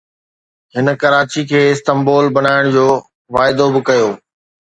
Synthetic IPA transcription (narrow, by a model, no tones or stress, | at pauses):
ɦɪnəkɐɾaːt͡ɕikʰeːɪst̪ɐmboːlbɐnaːɪɽ̃d͡ʑoː | ʋaːɪd̪obɪkɐjoː